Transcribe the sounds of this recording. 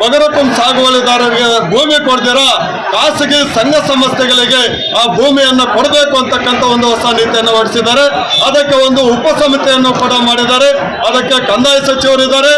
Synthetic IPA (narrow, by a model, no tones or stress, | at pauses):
bɐɡɐɾɐpumsaːɡɐʋɐlid̪aːɾɐɡebʱuːmikoɽd̪iːɾɐ | kaːsiɡisɐŋɡɐsɐmɐsjɛɡɐɭiɡe̞ | aːbʱuːmijɐnːukɔɽɐbeːkuɐnt̪ɐkːɐnt̪ʰɐond̪uʋɐsaniːt̪ijɐnːuʋɐɽisid̪aːɾe̞ | ɐd̪ɐkːe̞o̞nd̪uːpɐsɐmit̪ɛjɐnːupɐɽɐmaːɽid̪aːɾe | ɐd̪ɐkːe̞kɐnd̪aːjisɐt͡ʃiʋɐɾid̪aːɾe̞